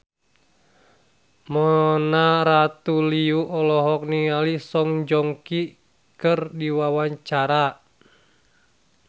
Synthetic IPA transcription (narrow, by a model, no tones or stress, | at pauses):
mɔnaɾat̪uliuʔɔlɔɦɔk̚niŋalisɔŋd͡ʒɔŋki | kɨrdiwawaɲt͡ʃaɾa